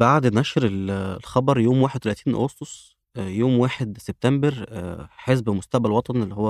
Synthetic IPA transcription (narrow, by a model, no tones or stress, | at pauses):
baʕd̪næʃɾellxɑbɑɾˤjoːmwaːħed̪̚t̪ælæt̪iːnʔo̰ɣɑst̪osˤ | joːmwaːħed̪seb̚t̪æmbeɾħezbmost̪æʕbælwɑt̪ˤɑnelːihowːæ